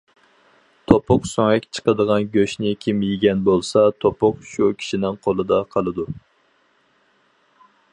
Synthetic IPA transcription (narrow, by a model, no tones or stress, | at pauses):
t̪ʰopʰʊqsoŋɛkʲt͡ʃʰə̥qəd̪əʁɑnɡʲøʃnɪkʲʰimjiɡʲɛnbolˠsɑt̪ʰopʊqʃukʲʰi̥ʃinɪŋqʰolˠɨd̪ɑqʰɑlˠɨd̪u